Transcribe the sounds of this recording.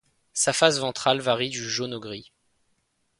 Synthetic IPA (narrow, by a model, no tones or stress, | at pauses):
safasvɑ̃t̪χalvaʁid̪yʒonɔɡʁi